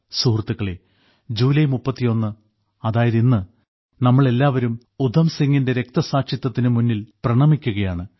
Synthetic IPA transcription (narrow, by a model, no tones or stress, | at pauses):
suːrt̪ːuɣɐɭe | d͡ʑuːlɐjmupːɐt̪ːijo̞nːɨ | ɐðaːjɐðinːɨ | nɐmːɐɭe̞lːaːʋɐɾum | ud̪ʱɐmsiŋːinde̞ɾe̞k̚t̪ɐsaːkʂjɐt̪ːɐt̪ːinɨmunːilprɐɳɐmikʲːuɣɐjaːɳɨ